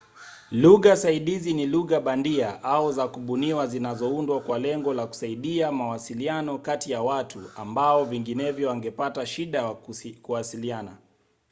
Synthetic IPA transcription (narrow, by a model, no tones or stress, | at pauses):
luɣasaiɗiziniluɣaɓandiaʔaɔzakuɓuniwazinazɔundwakwalɛŋɡɔlaku̥saiɗiamawasilianɔkatijawatʰua̰mbaɔviŋɡinɛvjɔwaŋɡɛpataʃiɗakuwasiliana